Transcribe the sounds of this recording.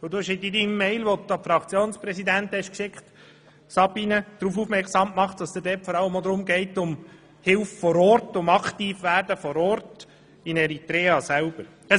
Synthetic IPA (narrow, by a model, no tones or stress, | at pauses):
ʊd̥̪uɛʃɪdidimːɛɪlʋod̪̚ɑfɾɑkt͡sjoːnspɾɛsid̪ænt̪hɛʃkʃɪkχt̪ | sɑbinəd̥ɾuːfufmɛɾksɑmmɑχt̚d̥ɑsd̥̪ədɛːtfɔɾɑlːəmɔd̪ɾʊmɡɛɪtːʊm | hɪlffɔɾɔːɾtʊmɑktiːfʋæːɾdəfɔɾɔːɾt | ɪnɛɾit̪ɾɛːɑsælb̥əɾ | ɛ